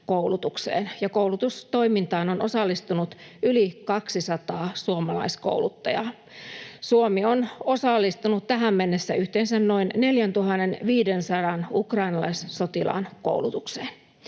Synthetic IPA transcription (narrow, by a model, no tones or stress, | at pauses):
koulut̪uksḛːnjɑkowlut̪ust̪o̞imint̪ɑːnonʔosɑlːist̪unut̪ylikɑksisɑt̪ɑːsuomɑlɑ̰isko̰wlut̪ːɑjɑ̰ | suomiono̞sɑlːist̪unut̪t̪æɦæmːenːesːæyht̪eːnsænnoinne̞ljænt̪uɦɑnːenʋiːdensɑdɑnukrɑinɑlɑ̰isso̞t̪ilɑ̰nko̰ulut̪ukseːn